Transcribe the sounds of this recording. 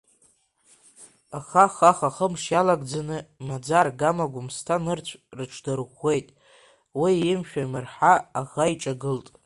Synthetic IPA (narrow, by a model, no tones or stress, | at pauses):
aχaχaχaχəmʂjalaɡd͡zanɨmad͡zarɡamaɡʷʊmstʰanɨrt͡ɕʷʰrɨʈ͡ʂʰdarχʷe̞jtʼ | wiɪmʃᶣamɨrħaaχaiʈ͡ʂʼaɡɨltʼ